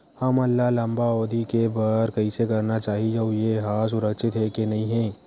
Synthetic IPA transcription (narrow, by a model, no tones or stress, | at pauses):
hɐmɐlːalɐ̃mbaoːd̪ʱikebɐɾkɐisekɐɾnat͡ʃaːɦid͡ʒəʊjeɦaːs̬ʊɾəkʃɪt̪ɦɛkenɐɦĩɦɛ̃ː